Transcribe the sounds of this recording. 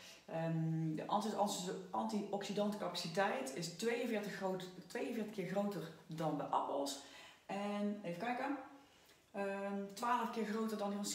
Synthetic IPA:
ədəʔɑ̰ntʋoːɹtɑsəʔɑntiʔɔksidɑntkɑpasitɛjtʰɪstʋejənvɪtəotʋejənvɪːɹtə̥xkɪːɹχrowtərdɑnbɛjʔɑ̰pəlˠsʔɛnejvəkɛjkə | ətʋaːləfkɪːɹɣrowtəɹdɑndiɔns

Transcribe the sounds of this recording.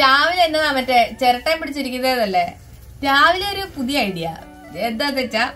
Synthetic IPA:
t̪jaːʋilenːɨɐʋɐtːet͡ɕeɾɐʈːaːmpiɽit͡ɕːiɾikʲːunːðeɐðɐlːe | t̪aːʋileoɾupuðijaːjiʈːija̰ː | end̪aːt̪ːet͡ɕːaː

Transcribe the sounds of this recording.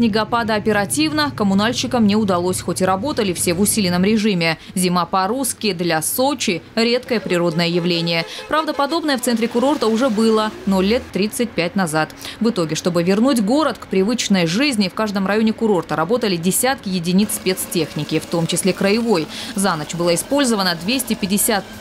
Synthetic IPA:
sʲnʲɪɡɐpad̪əɐpʲɪɾɐtʲivnəkəmʊnalʲɕɪkəmnʲɪʊd̪ɐlˠosʲxotʲɪɾɐbo̞t̪əlʲɪfsʲe̞vʊsʲilʲɪnəmɾʲɪʐɨmʲɪ | zʲɪmapɐɾuskʲɪd̪lʲaso̞t͡ɕɪɾʲe̞t̪kəjəpɾʲɪɾo̞d̪nəjəjɪvlʲenʲɪjəpɾavd̪əpɐd̪o̞bnəjəft̪sɛnt̪ʲɾʲɪkʊɾo̞rt̪əʊʐɛbɨlˠənolʲːe̞t̪ːɾʲit̪sɨt̚ʲpʲæt̚ʲnɐzat̪vɨt̪o̞ɡʲɪʂt̪o̞bɨvʲɪrnut̬ʲɡo̞ɾət̪kpɾʲɪvɨt͡ɕnəjʐɨzʲnʲɪfkaʐd̪əmrɐjo̞nʲɪkʊɾo̞rt̪əɾɐbo̞t̪əlʲɪdʲɪsʲat̪kʲɪjɪdʲɪnʲit̪spʲet̪stʲe̞xnʲɪkʲɪft̪o̞mt͡ɕɪsʲlʲe̞kɾəɪvo̞jzanət͡ɕbɨlˠaɪspo̞lʲzəvənəd̪vʲesʲtʲɪpʲɪdʲɪsʲat̪̚

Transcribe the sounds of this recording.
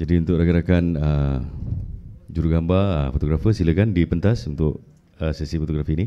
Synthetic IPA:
d͡ʒadiunt̪ʊʔ̚ɾaɡaɾakanə | d͡ʒuɾuɡambaə̰fot̪oɡɾafəsiləkandipənt̪asunt̪ʊʔ | əsɛsifot̪oɡɾafiini

